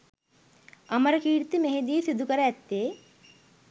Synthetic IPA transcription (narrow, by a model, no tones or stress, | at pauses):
ɐmɐɾɐkiːɽt̪imeɦed̪iːsid̪ʱːukɐɾɐɛt̪ːeː